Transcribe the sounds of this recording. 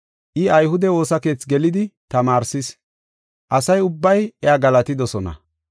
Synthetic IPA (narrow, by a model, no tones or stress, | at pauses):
ʔɪɐjhʊd̪ɛwo̞ːsɐke̞ːt͡sɡɛlɪd̪ɪt̪ɐmaːɾsɪs | ʔɐsɐjʊbːɐjɛaːɡɐlɐt̪ɪd̪ɔsɔnɐ̰